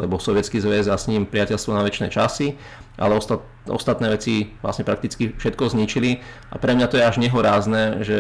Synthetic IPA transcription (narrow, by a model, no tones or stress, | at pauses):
lɛbɔsɔʋɪɛt͡skiːzʋɛzasɲiːmpɾiɪacɛlst̪ʋɔnaʋɛt͡ʃnɛ̰ːt͡ʃasi | ʔa̰lɛɔst̪a | ɔ̰st̪at̪nɛːʋɛt͡siʋla̰sɲɛpɾak̚t̪it͡skifʃɛt̪̚kɔzɲit͡ʃili | ʔa̰pɾɛmɲat̪ɔjɛaʒɲɛɦɔɾaːznɛːʒɛ